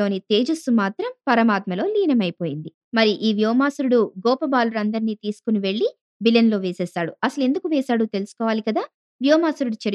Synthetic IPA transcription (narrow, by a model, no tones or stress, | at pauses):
o̞ːnit̪e̞ːd͡ʒust̪umaːt̪ɾɐmpɐɾɐmaːt̪mɐlo̞ːliːnɐmɐjpo̞ːjind̪i | mɐɾiʔiːʋjɔːmaːsuɾuɽuɡɔːpɐbaːluɾɐnd̪ɐɾiniːt̪iːsu̥kuniʋeɭːi | bilɐnlo̞ːʋeːsɛːsaːɽuɐsɐlue̞nd̪ukuʋɛːsaːɽut̪e̞lusu̥kɔːʋaːlikɐd̪aː | ʋjɔːmaːsuɾuɽut͡ʃɐɾ